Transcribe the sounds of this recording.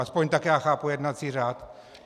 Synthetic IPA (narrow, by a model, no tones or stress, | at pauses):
aspoɲt̪akjaːxaːpujɛd̪nat͡siːraːt̪